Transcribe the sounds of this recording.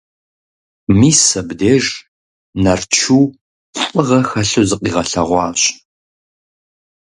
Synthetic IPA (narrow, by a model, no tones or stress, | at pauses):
miːsɐbdeːʒ | nɐrt͡ʃʰuː | ɕʼɨʁɐxɐɬɨzɨqiːʁɐɬɐʁʷɑːɕʼ